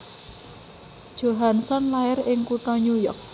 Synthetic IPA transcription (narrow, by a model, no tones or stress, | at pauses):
d̥ʒ̥o̤ɦansɔnlaɪɾɪŋkuʈɔɲujɔk̚